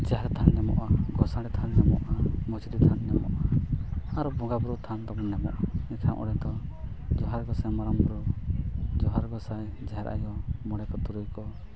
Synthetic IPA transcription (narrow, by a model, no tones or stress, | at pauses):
d͡ʒaɦɛɾt̪ʰanɲamɔ̰ʔaɡɔsaɽɛt̪ʰanɲamɔʔamɔt͡ʃid̪it̪ʰanɲamɔ̰ʔaaɾɔbɔ̃ŋɡabuɾut̪ʰant̪ɔmɔɲːamɔ̰ʔait̪ʰamʔɔ̰ɽɛt̪ɔ | d͡ʒɔɦaɾɡɔsajmaɾɔmbɔɾu | d͡ʒɔɦaɾɡɔsaj | d͡ʒaɦɛɾʔa̰jɔmɔɽɛkɔt̪uɾujkɔ